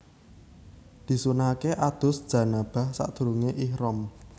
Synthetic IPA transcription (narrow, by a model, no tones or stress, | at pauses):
d̪̥i̤sunaakeʔad̪̥ʊ̤sd̥ʒ̥a̤nab̥a̤hsa̰ʔd̪̥ṳɾuŋeʔihɾɔm